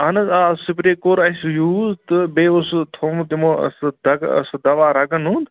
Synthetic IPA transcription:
ɐnɐzasipɾeːkoːɾɐsujuːzt̪ɨbeːust̪ʰomt̪imoɐ̰sd̪ɐɡ̰sd̪ɐʋaːɾɐɡɐnund̪

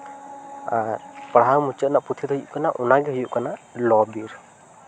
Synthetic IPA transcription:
aɾpaɽɦawmut͡ʃət̪̚naʔput̪ʰid̪ɔɦjuʔkanaʔɔnaɡɛɦujuʔkanalɔbiɾ

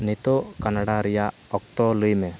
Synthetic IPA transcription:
nit̪ɔkanaɽaɾija | ɔk̚t̪ɔlujmɛ

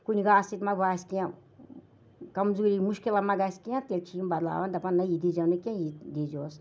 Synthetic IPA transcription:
kunʲiɡaːsit̪mɐbaːsʲkijã | kɐmzuːɾimuʃkilɐmɐɡasʲkijãt̪elʲt͡ʃʰimbɐd̪la̰ːʋɐnd̪ɐpɐnɐjid̪id͡ʒɐnukʲãjid̪id͡ʒoːs

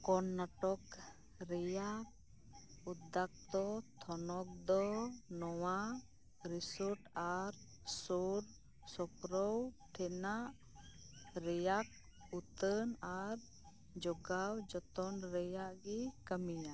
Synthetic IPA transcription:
kɔnːaʈɔk | ɾɛjaʔ | ud̪ak̚t̪ɔt̪ʰɔnɔk̚d̪ɔnɔwa | ɾisɔɾʈaɾ | sɔɾ | sɔpɾɔwʈʰɛnaʔ | ɾɛjak̚ | ut̪ənaɾ | d͡ʒɔɡawd͡ʒɔt̪ɔnɾɛjaʔɡɛkəmija

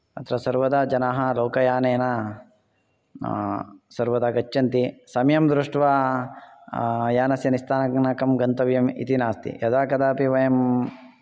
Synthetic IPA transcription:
ɐt̪ɾɐsɐɾʋɐd̪ɐd͡ʒɐnaɦɐloːkɐjaːneːnɐ | sɐɾʋɐd̪aɡɐt͡ʃːɐnt̪isɐmjɐmd̪ɾuʂʈʋaː | jaːnɐsjɐnist̪ʰaːnɐknaːkɐmɡɐnt̪ɐʋjɐmḭt̪inaːst̪ḭjɐd̪aːkɐd̪aːpiʋɐjɐm

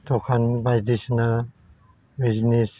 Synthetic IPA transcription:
t̪ɔkʰanbajd̪isna | biznis

